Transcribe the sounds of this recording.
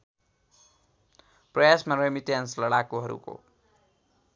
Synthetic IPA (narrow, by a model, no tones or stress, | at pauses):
prʌjasmaremiʈenslʌɽakoɦʌɾṵko̰